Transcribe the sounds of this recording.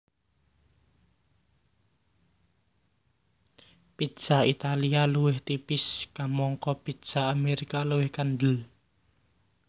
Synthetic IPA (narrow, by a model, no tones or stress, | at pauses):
pi̥ʒ̥a̤it̪alialuwɪht̪ipɪskamɔŋkɔpid̥ʒ̥a̤ameɾikaluwɪhkanɖ̪əl